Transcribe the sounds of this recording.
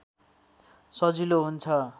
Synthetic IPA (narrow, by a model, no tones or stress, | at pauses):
sʌd͡ziloɦunt͡sʰʌ